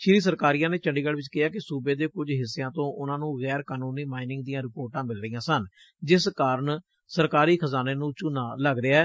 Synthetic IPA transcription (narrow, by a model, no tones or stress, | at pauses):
ʃɪɾiːs̬əɾkaːɾijãːneːt͡ʃəɳɖiːɡəɽʋɪt͡ʃkɪaːkɪsuːbeːd̪eːkʊd͡ʒɦɪsːejãːt̪õːʔʊnãːnũːɣɛːɾkaːnuːniːmaːɪnɪ̃ŋɡd̪ijãːɾɪpoːɾʈãːmɪlɾəiːjãːsən | d͡ʒɪskaːɾəɳ | səɾkaːɾiːkʰəzaːneːnũːt͡ʃʊnaːləɡɾɪaːɛː